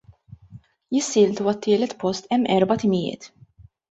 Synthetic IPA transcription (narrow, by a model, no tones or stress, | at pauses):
jɪsːɪːlt̪uɐt̪ːɪːlɛt̪pɔst̪ɛmːʔɛɾbɐt̪ɪmɪjɪ̰ːt̪